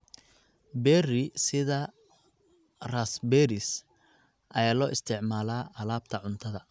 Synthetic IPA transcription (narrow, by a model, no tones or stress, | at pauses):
bɛrɪsɪðɐ | raːsbɛɾɪs | ʔɐjaːlɔːʔɪst̪ʰɪʕmaːlaːʔɐlaːb̚t̪ʰɐʕʊnt̪ʰɐðɐ